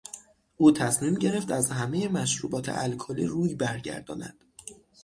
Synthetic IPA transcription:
ʔuːt̪ʰæsmiːmɟe̞ɾe̞ft̪æzhæme̞jemæʃɾuːbɒːt̪ʰḛʔælkʰɒlḭːɾuːjbæɾɟæ̰ɾd̪ɒ̰ːnæ̰d̪̥

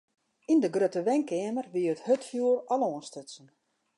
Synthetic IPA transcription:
indəɡrøtəʋɛŋkɛəmərʋiəəthøtfjuːərɔloənstøtsən

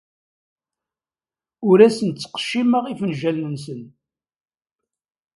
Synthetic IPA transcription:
ʊɾæsənt͡sːə̥qə̥ʃːiməʁifənʒælnənsən

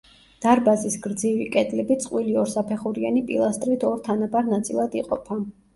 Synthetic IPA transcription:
d̪̥aɾbazisɡɾd̪zivikʼɛd̪lɛbit̪sʼqʼwiliɔɾsapʰɛχuɾianipʼḭlˠast̪ʼɾit̪ʰɔɾt̪ʰanabaɾnat̪sʼilˠad̪iqʼɔpʰa

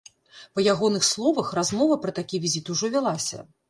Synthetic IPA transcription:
pɐjaɣɔnɨxslˠɔvɐxrazmɔvɐpɾɐt̪akʲivʲizʲit̪uʐɔvʲalˠasʲɐ̰

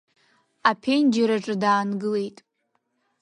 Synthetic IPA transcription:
apʰe̞nd͡ʒaɾaʈ͡ʂʼɨdaːnɡɨle̞jtʼ

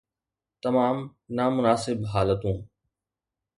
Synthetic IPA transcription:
t̪ɐmaːmnaːmʊnaːsɪbɦaːlət̪ũː

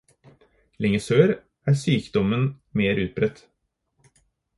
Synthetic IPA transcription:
lɪŋəsøːɾ | ʔæːsyːkd̪ɔmən | meːɾʔʉːt̪̚bɾɛt̪

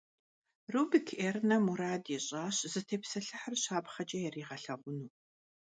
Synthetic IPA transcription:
ruːbikʰeːrnɐmuɾaːdɛɕʼaːɕzɨtʰeːpsɐɬɨħərɕaːbχɐd͡ʒʼɐjɛriːʁɐɬɐʁʷʊnuː

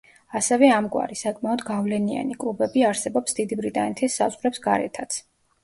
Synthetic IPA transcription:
asɛvɛamɡʼwa̰ɾisakʼmaɔd̪ɡavlɛnia̰nikʼlˠubɛbiaɾsɛbɔpsd̪id̪ibɾit̪ʼanɛt̪ʰisːazʁɾɛpsɡaɾɛ̰t̪ʰat̪sʰ

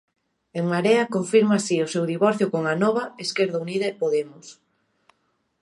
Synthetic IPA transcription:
eŋmaɾeakoɱfiɾmasiosewðiβɔɾθjokoŋanɔβaeskeɾð̞auniðapoðemʊs

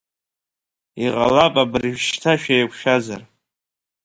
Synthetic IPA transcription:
iqʼa̰lapʼabɨrʒᶣʃtʰaʃᶣajkʷʰʃᶣazar

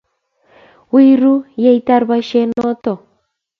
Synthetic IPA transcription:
wiɾujejt̪aɾβaʃenot̪o

